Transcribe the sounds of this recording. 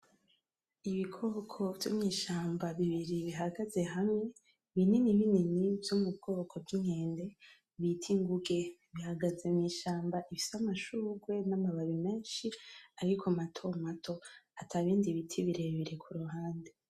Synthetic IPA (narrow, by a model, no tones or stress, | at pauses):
iβikʰo̞ːkʰo̞vjo̰mɲiːʃaːmbaβiβiɾiβiɦaɡaze̞ɦamŋe̞ | βininiβininivjomub̚ɡo̞ːkʰo̞vɡiŋe̞ːnde̞ | βitʰiŋɡuɡe̞βihaɡazemɲiːʃaːmbaʔifi̥samaʃuɡwe̞namaβaβime̞ːnʃiaɾikʰamatʰo̞matʰo̞atʰaβiːndiβitʰiβiɾe̞iβiɾe̞kʰuɾuɦaːnde